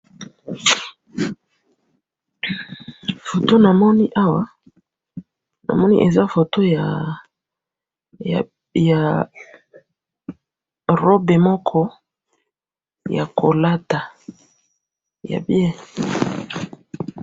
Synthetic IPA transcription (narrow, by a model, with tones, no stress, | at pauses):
fo˨to˦na˨mɔ˦ni˦ʔa˦wa˦ | na̰˨mɔ˦nḭ˦ʔe˨za˦fo˨to˦ja˨ | a˨ | ja˨ | ʁo˦be˨mɔ˦kʰɔ˦ | ja̰˨ko˨la˦ta˨ | ja̰˨bjɛ˦˨